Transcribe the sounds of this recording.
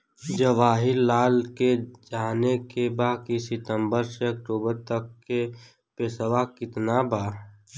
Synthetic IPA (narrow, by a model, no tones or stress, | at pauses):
d͡ʒəʋaːɦɪɾlaːlked͡ʒaːnekebaːɦkisɪʈə̃mbəɾseɐk̚ʈoːbəɾt̪əkːe | peːsəʋakɪt̪nabaː